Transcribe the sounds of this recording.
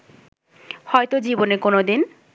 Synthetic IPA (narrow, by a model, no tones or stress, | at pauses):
hɔet̪od͡ʑibonekonod̪in